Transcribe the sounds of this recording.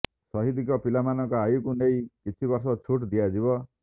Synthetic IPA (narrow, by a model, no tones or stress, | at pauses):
sɔɦid̪ikɔpilamanɔŋkɔajukunejkit͡ʃʰibɔɾsɔt͡ʃʰuʈd̪ijad͡ʒibɔ